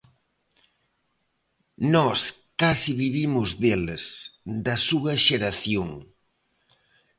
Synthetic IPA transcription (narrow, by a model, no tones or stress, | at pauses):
nɔskasiβiβimʊzðelsd̪ɐsuɐʃeɾɐθjoŋ